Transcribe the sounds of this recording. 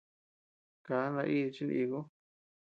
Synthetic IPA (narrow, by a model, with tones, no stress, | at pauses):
ka˨˦nã˧ʔi˦˧t͡ʃi˦n˧ʔi˧ɣo˦